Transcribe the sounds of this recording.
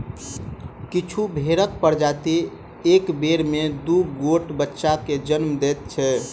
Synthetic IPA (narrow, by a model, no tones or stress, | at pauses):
kit͡ʃʰubʱeɾək̪̚pəɾd͡ʒat̪i | ekbeɾmed̪uɡoʈbətːʃaked͡ʒənmd̪et̪̚t͡ʃʰɛ